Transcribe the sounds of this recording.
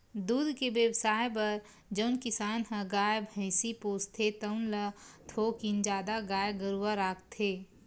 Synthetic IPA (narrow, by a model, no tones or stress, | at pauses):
d̪uːd̪ʱkebjəwsaːjp̬ɐɾ | d͡ʒəʊnkɪsaːnɦə̃ɡaːjbʱəɪsipoːst̪ʰet̪əʊnlət̪ʰokind͡ʒaːd̪aɡaːjɡəɾuwaɾaːkt̪ʰeː